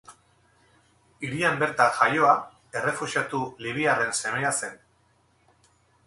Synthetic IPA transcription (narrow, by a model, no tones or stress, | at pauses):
iɾiambe̞ɾt̪aʝajo̞a | e̞re̞fusiat̪uliβ̞iare̞nse̞me̞ase̞n